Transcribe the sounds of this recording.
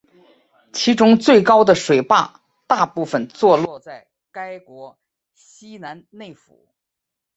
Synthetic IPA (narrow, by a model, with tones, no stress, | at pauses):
t͡ɕʰi˧˥ʈ͡ʂʊ˥ŋt͡swe˥˩ɪkɑ˥ʊd̪ə˨ʂwe˨˩ɪpa̰˥˧ | t̪a˥˧pu˥˩fə˨˩nt͡swɔ˥˧lwɔ˥˧t͡sa˥˩ɪ | ka˥ɪkwɔ˧˥ | ɕi˥na˧˥nne˥˩ɪfṵ˨˩˦